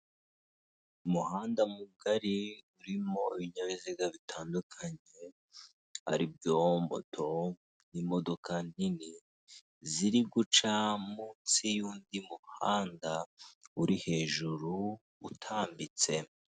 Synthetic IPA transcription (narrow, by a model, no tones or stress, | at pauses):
umuhaːndamuɡaɾiuɾimo̞iβiɲaβiziɡaβitʰaːndukʰaɲe̞ | ha̰ɾibjoːombo̞̰tʰo̞ | nimo̞do̞kanini | ziɾiɡut͡ʃamuːnsijuːndimuhaːndauɾihe̞ːʒuɾu | utʰaːmbit͡se̞